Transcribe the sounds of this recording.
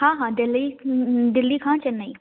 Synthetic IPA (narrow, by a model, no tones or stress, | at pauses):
hãːɦãːd̪ɪlːiːd̪ɪlːiːkʰãːt͡ʃənːaiː